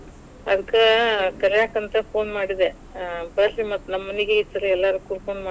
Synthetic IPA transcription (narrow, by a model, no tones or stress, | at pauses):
ɐd̪ɐkːekɐljaːkɐnt̪ɐpʰo̞ːnmaːɽid̪e | bɐɾlimɐt̪ːunɐmːɐniɡeisːɐɾuɛlːaːɾukːuɾpʰoːnmaː